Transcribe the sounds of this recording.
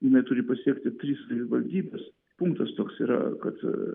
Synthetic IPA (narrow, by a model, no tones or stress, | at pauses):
jɪnɐɪt̪ʊɾʲɪpɐsʲiɛkt̪ʲɪt̪ʲɾʲiːssɐʋʲɪʋɐlʲd̪ʲiːbʲɛs | puŋkt̪ɐst̪oːksḭːɾɐ̰kɐt̪